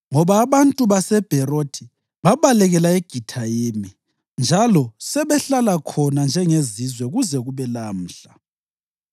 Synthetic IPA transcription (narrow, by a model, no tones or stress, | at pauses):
ŋɔβaːβantʼuβasɛb̥ʱɛrotʰi | βaβalɛɣɛlaeɡ̥ʱitʰajemi | nd͡ʒʱalɔsɛβɛɬalakʰɔnand͡ʒʱɛŋezizwɛɣuzɛɣuβɛlam̩ːɬa